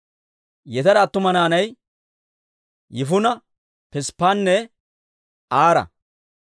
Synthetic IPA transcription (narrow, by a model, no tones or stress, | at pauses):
jɛt̪ɐɾɐːt̪ːʊmɐnaːnɐj | jɪfʊnɐ | pɛspːaːnːɛ | aːɾɐ̰